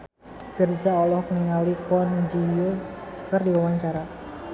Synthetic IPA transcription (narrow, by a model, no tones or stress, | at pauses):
fird͡ʒaɔlɔhkəniŋalikɔnd͡ʒijokərdiwawaɲt͡ʃaɾa